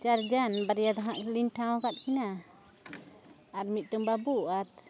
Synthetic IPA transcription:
t͡ʃard͡ʒanbaɾijat̪aɦaʔlint̪amakat̪̚kina | at̪̚miʔ̚t̪umbabuʔat̪̚

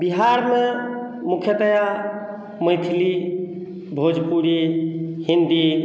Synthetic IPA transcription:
biɦaɾme | mukʰjət̪əja | məjt̪ʰili | bʱod͡ʒpuɾihind̪i

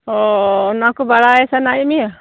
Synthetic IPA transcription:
ɔnakɔbaɽaɛsanajmia

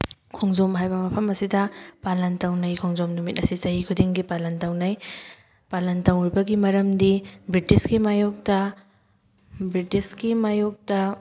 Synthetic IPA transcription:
kʰoŋzomɦajbɐmɐpʰɐmɐsidɐpalɐntawnɐjkʰoŋzomnumit̚ɐsit͡ʃɐɦikʰudiŋɡipalɐntawnaj | palɐntawɾibɐɡimɐɾɐmdibɾitiskimajuk̚tɐ | bɾitiskimajuk̚tɐ

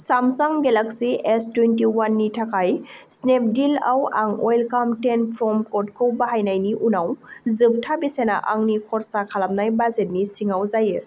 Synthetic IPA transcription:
samsaŋɡelaksiestwentiwanːitʰakaj | snep̚ʰdilawaŋɔjlkamtenpʰɾɔmkɔt̚kʰɯwbaɦajnajniʔunawzɯp̚tʰabisenaʔaŋnikʰɔɾsakʰalap̚najbazet̚nisiŋawzajɯ

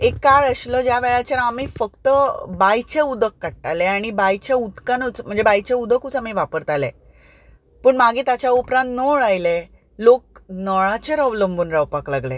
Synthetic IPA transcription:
ekːaɭəɕləd͡ʑjaʋɛɭat͡ɕaɾamiːfəkt̪əbajt͡ɕeud̪əkːaʈʈaleaɽ̃ibajt͡ɕeud̪kanut͡sm̤əɳd͡zebajt͡ɕeud̪ʱəkut͡samiʋapəɾt̪alẽ | pəːɳmaɡʱiːt̪at͡ɕjaupɾãnt̪nəɭajle | lok̚nɔɭat͡ɕeɾəʋləmbunɾawpaklaɡle

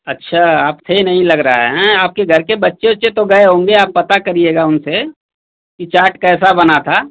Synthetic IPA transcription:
ɐtːʃʰaaːpt̪ʰeinɐɦĩlɐɡɾə̰ɦa̰ɦɛ̃aːp̚keɡʱɐɾkebɐtːʃeot͡ʃet̪oɡɐeɦõːŋɡeaːpːɐt̪akɐɾieːɡaʊnse | kit͡ʃaːɾʈkɛːs̬abɐnat̪ʰaː

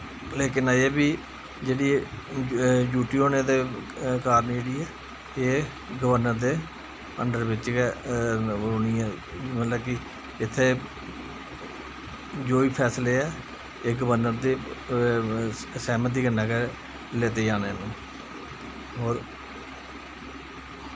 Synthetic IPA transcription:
leːkɪneːbiː | d͡ʒeːɽiː | d͡ʒuːʈiːoːneːd̪eːkaːɾənd͡ʒeːɽiːɛː | eː | ɡəʋəɾnəɾd̪eː | ə̰ɳɖəɾʋɪt͡ʃ | əɾoːniːãː | mət̪ləbkɪ | ɪt̪ʰːeː | d͡ʒoːiːpʰɛːsleːɛː | eːɡəʋəɾnəɾd̪eː | sɛːmət̪̚d̪iːɡənːãːke | leːt̪eːd͡ʒaːneːnẽː | ɦoːɾ

